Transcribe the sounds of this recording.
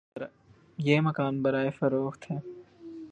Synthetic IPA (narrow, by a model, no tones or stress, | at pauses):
ɾ | jeːmɐkaːnbɐɾaːefɐɾoːxt̪ɦɛ̃ː